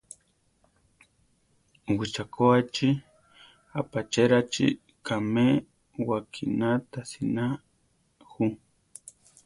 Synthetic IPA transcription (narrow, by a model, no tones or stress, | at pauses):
wit͡ʃakoat͡ʃi | apat͡ʃeɾat͡ʃḭ | kame | wakʰḭnat̪asina | xu